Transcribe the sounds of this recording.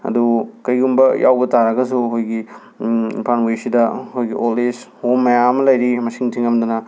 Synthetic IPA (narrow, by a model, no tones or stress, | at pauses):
ɐ̰dukɐjɡumbɐjʔa̰wbɐtaɾɐɡɐsuɦojɡi | pʰanwesidɐhojɡiʔolishomːɐjamɐlɐjɾimɐsiŋtʰiŋɐmdunɐ